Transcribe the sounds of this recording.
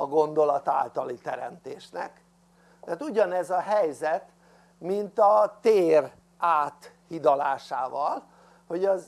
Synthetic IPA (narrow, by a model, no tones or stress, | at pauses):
ɒɡo̞nd̪o̞lɒt̪a̰ːlt̪ɒlit̪ɛɾɛ̰mt̪eːʃnɛ̰k | t̪ɛt̪uɟɒnɛzɒɦɛjzɛt̪ | mint̪ɒt̪eːr | ʔaːt̪hid̪ɒlaːʃaːvɒl | ho̞ɟɒz